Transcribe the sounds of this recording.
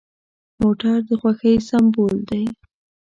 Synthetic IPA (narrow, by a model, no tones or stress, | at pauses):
moʈaɾd̪əxwaxəjsambold̪aj